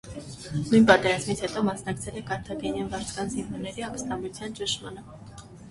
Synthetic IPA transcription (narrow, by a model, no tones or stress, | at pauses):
nujnpɑt̪ɛɾɑzmit͡sʰhɛt̪ɔmɑsnɑkt͡sʰɛlɛkɑɾt̪ʰɑɡɛnjɛnvɑɾt͡sʰkɑnzinvɔɾnɛɾiɑkəst̪ɑmut͡sʰjɑnt͡ʃəʃmɑnə